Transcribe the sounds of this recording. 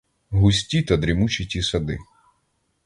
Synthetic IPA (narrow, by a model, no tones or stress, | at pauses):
ɦʊsʲtʲit̪ɐd̪ɾimut͡ʃitʲisɐd̪ɪ̰